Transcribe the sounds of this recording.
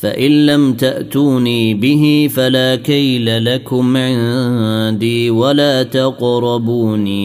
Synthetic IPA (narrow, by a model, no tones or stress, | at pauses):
fa̰ʔɪnlamt̪aʔt̪uːniːbɪɦifalaːkajlalakʊmʕɪnd̪iːwalaːt̪ɑqɾˤɑbuːniː